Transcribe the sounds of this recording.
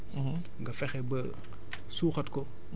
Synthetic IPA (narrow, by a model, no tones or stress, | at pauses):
ŋɡɐfɛxɛbɐ | suːxɐtko